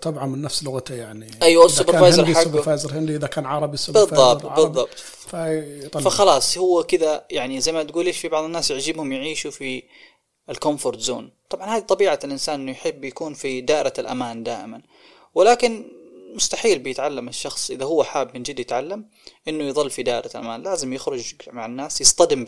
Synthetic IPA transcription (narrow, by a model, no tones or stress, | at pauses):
t̪ˤɑbʕɑnmɪnːafslʊɣat̪ajaʕniʔijwasˤːʊbɑɾvaːjzɑɾˤħaʊfaːjzɑɾˤhɪnd̪iʔɪðakaːnʕɑɾˤɑbisʊbɪðˤːɑtˤbɨðˤːɑbt̪ˤ | faˤfaxɑlɑːsˤhʊwːakɪðajaʕnizajmat̪ɡuːleːʃfibɑʕðˤɨnːaːsjɪʕd͡ʒɪbhʊmjɪʕiːʃufi | ɪlkɔmfoɾˤt̪zo̰ːnt̪ˤɑbʕɑnhaːd̪it̪ˤɑbiːʕalʔɪnsaːnʔɪnːʊjħɪbːjakuːnfid̪aːʔɪɾalʔa̰maːnd̪aːʔɪman | wɪlaːkɪnmʊst̪aħiːlbɪjɪt̪ʕalːamɪʃːɑxsˤʔɪðaɦʊwːaħaːbmɪnd͡ʒɪd̪ːjɪt̪ʕalːam | ʔɪnːʊjðˤɨlːfid̪aːʔɪɾalʔa̰maːnlaːzɪmjɪxɾʊd͡ʒmaʕanːaːsjɪst̪ˤɑd̪ɪm